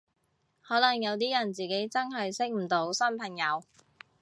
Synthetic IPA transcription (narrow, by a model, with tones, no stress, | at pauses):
hɔː˨˥lɐ˨˩ŋjɐ˨˧wt̪iː˥jɐ˨˩nt͡siː˨ke˨˥jt͡sɐ˥nɦɐ˨jsɪ˥k̚m̩˨˩t̪o˨˥wsɐ˥npʰɐ˨˩ŋjɐ˨˧w